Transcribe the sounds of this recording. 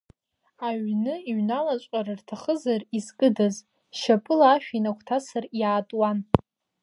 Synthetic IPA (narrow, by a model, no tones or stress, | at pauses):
aɥnɨiɥnalat͡ʃʷʼaɾɨrtʰaχəzarizkʼɨdaz | ʃapʼɨlaːʃᶣinakʷʰtʰasarjaːtʼwan